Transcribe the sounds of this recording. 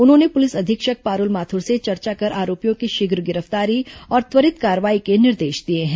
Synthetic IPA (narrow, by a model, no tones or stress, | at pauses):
ʊnɦõːnepʊlɪsɐd̪ʱɪkʃək̚paːɾʊlmaːt̪ʰʊɾset͡ʃɐɾt͡ʃakɐɾʔaːɾoːpijõkiʃɪɡɾɡɪɾəft̪aːɾiɔːɾt̪ʋəɾɪt̪kaːɾəʋaːikenɪɾd̪eːʃd̪ieɦɛ̃ː